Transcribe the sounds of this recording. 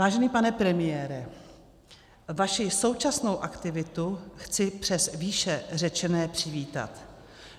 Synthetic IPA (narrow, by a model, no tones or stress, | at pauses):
vaːʒɛniːpanɛpɾɛmɪjɛːɾɛ | vaʃɪso̞wt͡ʃasno̞wʔakt̪ɪvɪt̪uxt͡sɪpr̝̥ɛsviːʃɛr̝ɛt͡ʃɛnɛːpr̝̥ɪviːt̪a̰t̪